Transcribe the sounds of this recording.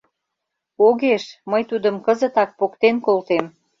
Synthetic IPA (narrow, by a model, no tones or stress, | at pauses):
oɣeʃməjt̪ud̪ə̆mkə̆zə̆t̪ɑk̚pokt̪enkolt̪em